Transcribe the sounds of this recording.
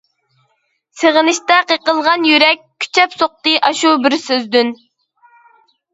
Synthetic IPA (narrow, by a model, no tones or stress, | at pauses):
seʁənɨʃt̪ɛqəqəlˠʁɑnjyɾɛk̚ʲkʲʰːy̥t͡ʃʰɛpsoq̚t̪ɨʔɑʃubɪɾsøzd̪yn